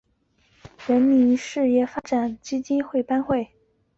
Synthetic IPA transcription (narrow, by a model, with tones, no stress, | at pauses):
ɻə˧˥nmi˧˥nʂɻ̩˥˧jɛ˥˩fa˥ʈ͡ʂa˨˩nt͡ɕi˥t͡ɕi˥nxwe˥˩ɪpa˥nxwe˥˩ɪ